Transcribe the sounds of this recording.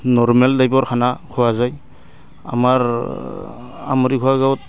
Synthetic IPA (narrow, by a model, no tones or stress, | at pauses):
nɔɾmeldajbɔɾkʰanakʰɔwazaj | a̰maɾ | a̰mɔɾikʰɔwaɡawt̚